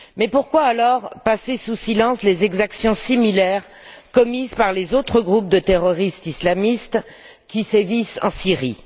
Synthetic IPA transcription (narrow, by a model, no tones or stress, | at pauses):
mɛpuʁkwaːlɔʁpasesusilɑ̃slezɛɡzaksjɔ̃similɛʁ | kɔmizpaʁlezot̪χəɡʁup̚d̪ət̪eʁɔʁist̪islamist̪ | kʲisevisɑ̃siʁi